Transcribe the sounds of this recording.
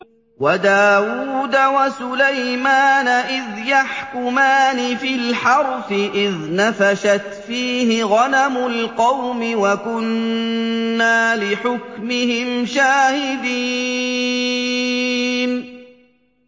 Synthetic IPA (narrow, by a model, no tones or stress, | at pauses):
wad̪aːwuːd̪awasʊlajmaːnaʔɪðjaħkʊmaːnɪfɪlħɑɾˤfɪʔɪðnafaʃat̪fiːhɪɣanamʊlqɑwmɪwakʊnː | aːlɪħʊkmɪhɪmʃaːhɪd̪iː | n